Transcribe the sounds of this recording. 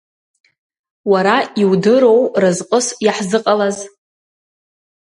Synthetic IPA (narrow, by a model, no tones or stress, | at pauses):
waɾaiwdɨɾo̞wrɨzqʼəsjaħzɨqʼalaz